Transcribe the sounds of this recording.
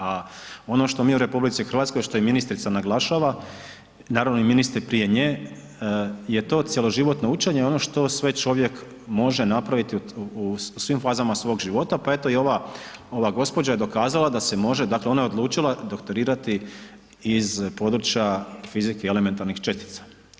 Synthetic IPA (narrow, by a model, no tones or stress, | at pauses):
ao̞no̞ʃt̪o̞miuɾe̞publit̪sixɾr̩ʋat̪skojʃt̪o̞iminist̪ɾit̪sanaɡlˠaʃaʋa | naːɾaʋno̞iminist̪ɾpɾije̞ɲeː | je̞t̪o̞ːt̪sʲjelˠo̞ʒiʋo̞t̪no̞ut͡ʃeɲeo̞noʃt̪o̞sʋe̞t͡ʃo̞ʋje̞k | mo̞ʒe̞napɾaʋit̪iuusʋimfaːzamasʋo̞ɡʒiʋo̞t̪apae̞t̪ojio̞ʋao̞ʋaɡo̞spo̞d͡ʑajed̪okaːzalˠad̪ase̞mo̞ʒed̪akleo̞najeo̞d̪lˠuːt͡ʃilˠad̪o̞kt̪o̞ɾiːɾat̪i | izpo̞d̪ɾut͡ʃjafizikeeleme̞nt̪aɾnixt͡ʃest̪i̥t̪sḁ